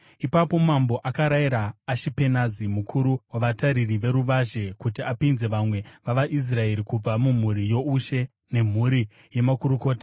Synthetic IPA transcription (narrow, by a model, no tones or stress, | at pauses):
ipapo̞mambo̞ʔakaɾaiɾaːʃipe̞nazimukʰuɾuwaʋataɾiriʋe̞ɾuʋaʒe̞kutiapinze̞ʋamwe̞ʋaʋaʔis̬rae̞ɾikub͡vamum̤uɾijo̞uʃe̞ | ne̞m̤uɾi | je̞makuɾuko̞ːtḁ